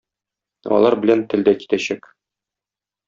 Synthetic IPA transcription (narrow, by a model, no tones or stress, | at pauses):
ɒ̰lˠɑɾbɘ̆lænt̪ɘ̆ld̪æki̥t̪æɕæk